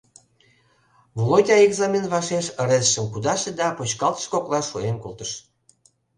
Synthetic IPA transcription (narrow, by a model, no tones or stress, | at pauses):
volotʲɑeɡzɑmʲenβɑʃeʃəɾezəʃəmkud̪ɑʃed̪ɑpot͡ɕkɑlt̪ə̥ʃkoklɑʃːuemkulˠt̪əʃ